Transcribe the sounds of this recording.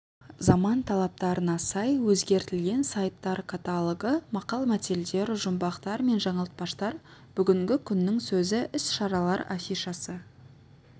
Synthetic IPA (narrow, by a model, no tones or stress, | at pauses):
zɑmɑnt̪ʰɑlˠɑp̚t̪ɑɾənɑsɑjwɵzɡʲe̞ɾt̪ɪlɡʲe̞nsajt̪ːɑɾkʰat̪alˠəɡəmɑqɑlˠmæt̪eld̪e̞ɾʒʊmbɑqt̪ɑɾme̞nʒɑɴɑlˠt̪̚pɑʃt̪ɑɾb̥ʏɡʲɪŋɡʲɪkʲʰʏnːɪŋsɵzɪʔɪsʃɑɾɑlˠɑ̰ɾafʲijʃɑsə